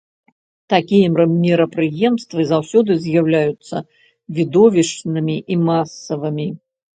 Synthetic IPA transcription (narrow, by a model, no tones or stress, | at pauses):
t̪akʲijɛmmʲiɾɐpɾɨjɛmst̪vɨzawsʲɔd̪ɨzʲjawlʲajut̪sːɐ | vʲid̪ɔvʲiʂnɨmʲiʔimasːɐvɨmʲi